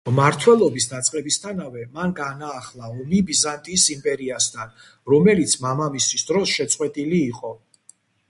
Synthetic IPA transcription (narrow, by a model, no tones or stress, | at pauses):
maɾt̪ʰwɛlˠɔbisd̪at̪sʼqʼɛbist̪ʰanavɛmanɡanaːχlˠaɔmibizant̪ʼiːsimpʼɛɾiast̪ʰan | ɾɔmɛlit̪sʰmamamist̪ʰisd̪ɾɔsʃɛt̪sʼqʼwɛt̪ʼiliːqʼɔ